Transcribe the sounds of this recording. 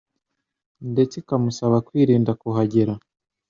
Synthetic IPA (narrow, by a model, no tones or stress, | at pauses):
ndet͡sikamusaβakwiːɾiːndakuɦaɟiɾa